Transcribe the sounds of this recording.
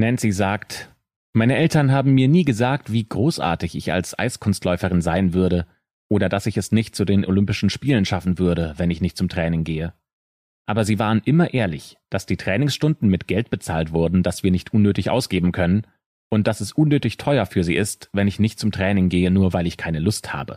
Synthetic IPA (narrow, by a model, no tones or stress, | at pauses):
nɛntz̥iːzaːkt | maɪnəʔɛltɐnɦaːbm̩miːɐniːɡəzaːk̚tv̥iːɡʁoːsʔa̰ːɐtɪçɪça̰lsʔa̰ɪskʰʊnstlɔʏfəʁ̞ɪnzaɪnvʏɐɾə | ʔoːɾɐdasɪçɛsnɪçt̚t͡sudeːnʔo̰lʏmpɪʃn̩ʃpiːlənʃafn̩vʏɐɾəvɛnɪçnɪçt̚t͡sʊmtʁ̥ɛːnɪŋɡeːə | ʔaːbɐziːvaːʁ̞ənʔɪmɐʔeːɐlɪ̰çd̥asd̥iːtʁ̥ɛːnɪŋsʃtʊndn̩mɪtɡ̥ɛlt̚b̥ət͡saːltv̥ʊɐdn̩d̥asv̥iːɐnɪçtʔʊnːøːtɪçʔa̰ʊsɡ̥eːbm̩kʰœnən | ʔʊnt̚d̥asɛsʔʊnːøːtɪçtʰɔʏɐfyːɐzḭːʔɪstvɛnɪçnɪçt̚t͡sʊmtʁ̥ɛːnɪŋɡeːənuːɐvaɪlɪçkʰaɪnəlʊstha̰ːbə̰